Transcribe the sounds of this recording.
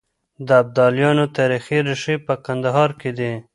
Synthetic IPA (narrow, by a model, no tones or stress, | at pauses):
d̪əab̚d̪ɑljɑnot̪ɑɾixiɾɪʃipəkand̪aɦɑɾked̪e